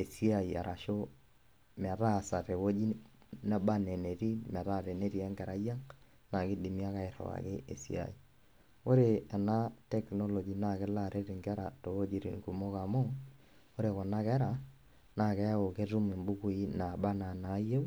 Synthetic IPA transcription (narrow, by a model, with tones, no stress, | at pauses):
e˨si˦a˨i˨a̰˨ɾʔa˨ʃo˦ | m˨a˨ta˦˨sa˨ɾe˨wo˦d͡ʒi˦ | na˦ba˦ne˨ne˨ɾi˦m˨a˨ta˦˨ɾe˨ne˦ɾi˨ɛ˦ŋɡɛ˨ɾa˦ja˦ŋ | na˨kɪ˦di˨mi˦a˦ka˦˨ɪ˨ɾɔ̰˨wa̰˨ke˦ʔḛ˨sḭ˦a̰˨i˨ | o˦ɾe˨ɛ˨na˦tɛ˦kno˦lɔ˨d͡ʒi˨na˦˨kɪ˦la˦˨ɾe˦ɾi˨ŋɡɛ˦ɾa̰˨to˨wo˦d͡ʒi˦ɾḭ˨ŋku˨mo˦ka˨mo˦ | o˦ɾe˨kɔ˨na˦kɛ˦ɾa˨ | na˦˨kɛ˦a˦o˨ke˦ɾu˦mɪ˨mbu˦ku˨i˦na˨ba˦na˨na˨˦jo˦